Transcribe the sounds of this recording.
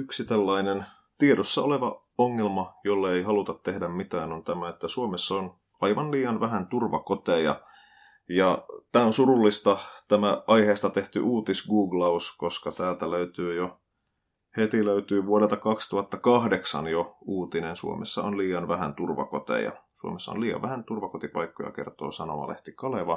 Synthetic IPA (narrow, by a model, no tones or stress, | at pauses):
yksit̪elːɑinen | t̪ieɾosːɑoleʋɑ | oŋːelmɑjolːɑeihɑlut̪ɑt̪tehdæmmit̪æːnont̪æmæet̪ːæsuomesːɑon | ɑiʋɑnliːɑnʋæɦænt̪urʋɑkot̪ejɑ̰ | jɑt̪æːonsurulːist̪ɑt̪æmæʔɑjheːst̪ɑt̪eht̪y̰ʔuːt̪isɡuːɡlɑuskoskɑt̪æːlt̪æløyt̪yːjo | het̪iløyt̪yːʋuoɾelt̪ɑkɑkst̪uhɑt̪ːɑkɑhdeksɑ̰njouːt̪inensṵo̰mḛsːɑ̰onliːɑnʋæhænt̪urʋɑ̰kot̪ḛjɑ̰suo̰mesːɑo̰nliːjɑ̰ʋæhænt̪urʋɑkot̪ipɑikːojɑ̰kert̪o̰ːsɑno̰mɑ̰lḛht̪ikɑleʋɑ